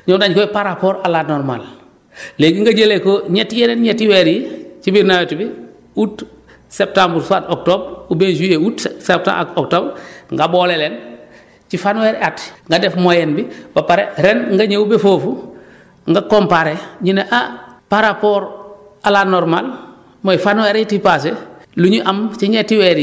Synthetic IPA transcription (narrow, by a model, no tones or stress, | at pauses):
ɲodaɲkoepaɾapoːɾalanoɾma̰l | leːɡiŋɡɐɟelekoɲetijeɾenɲetiweɾiit͡ʃibiɾnawetbi | ut | sep̚tambɾsuatok̚toːbɾubenʒieutsep̚ta̰ok̚tobɾŋɡaboːlelen | t͡ʃifanweɾatŋɡadefmojenbibapaɾḛɾenŋɡaɲeubefoːfu | ŋɡakompaɾeɲineʔapaɾapoːɾ | alanːɔɾmal | mojfanweɾitipas̬eluɲiʔamt͡ʃiɲetiweɾ